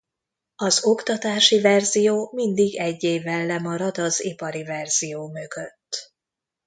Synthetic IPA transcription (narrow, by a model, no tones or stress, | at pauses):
ɒzo̞kt̪ɒt̪aːʃivɛrzijoːmind̪iɡɛɟːeːvːɛlːɛmɒɾɒd̪ɒzipɒɾivɛrz̥ijoːmøɡøt̪ː